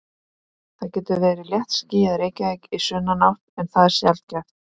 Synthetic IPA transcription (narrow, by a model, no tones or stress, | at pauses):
θacɛːt̪ʏveːjɾɪljɛht̪sciːjaðɾejcɪvejkisʏnːanaht̪ɛnθaðɛɾ̥sjalt̪̚cɛft̪